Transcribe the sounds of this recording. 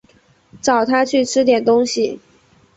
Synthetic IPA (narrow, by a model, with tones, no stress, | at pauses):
ʈ͡ʂɑ˨˩ʊt̪ʰa˥t͡ɕʰy˥˩ʈ͡ʂʰɻ̩˥t̪jɛ˨˩nt̪ʊ˥ŋɕi˨˩